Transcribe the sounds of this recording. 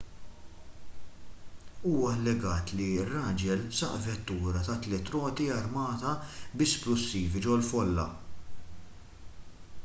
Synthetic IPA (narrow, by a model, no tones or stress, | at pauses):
uːwɐlːɛɡɐːt̪lirːɐːd͡ʒɛlsɐʔvɛt̪ːuːɾɐt̪ɐt̪ːlɛt̪ɾɔːt̪iɐɾmɐːt̪ɐbɪsplʊsːiːvid͡ʒɔwlfɔlːɐ̰